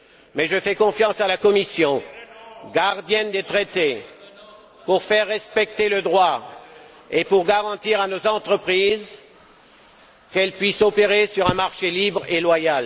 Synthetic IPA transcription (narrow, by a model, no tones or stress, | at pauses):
mɛʒəfɛkɔ̃fjɑ̃salakɔmisjɔ̃ | ɡaʁd̪jɛnd̪et̪χet̪e | puʁfɛʁːɛspɛk̚t̪eləd̪ʁwa | epuʁɡaʁɑ̃t̪iʁanozɑ̃t̪χəpχiz | kɛlpɥisɔpeʁesyʁɛ̃maʁʃelibʁelwajal